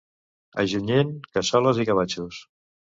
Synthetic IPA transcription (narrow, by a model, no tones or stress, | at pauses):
ə̰ʒuɲenkəsɔləzikəβ̞at͡ʃus